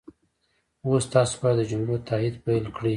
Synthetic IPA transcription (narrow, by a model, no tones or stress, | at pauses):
wost̪ɑso̥bɑjad̪əd͡ʒʊmlot̪ʰɑhid̪pajlkɽi